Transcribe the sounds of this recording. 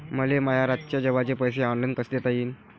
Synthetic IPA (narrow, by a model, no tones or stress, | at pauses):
məleməjaɾat̪t͡ɕjad͡ʑəʋat͡ɕepəjseɔnlankəst̪et̪aiːn